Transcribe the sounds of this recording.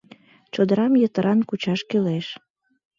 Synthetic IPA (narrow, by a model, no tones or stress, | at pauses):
t͡ɕod̪əɾɑmjət̪əɾʔɑnkut͡ɕɑʃkeleʃ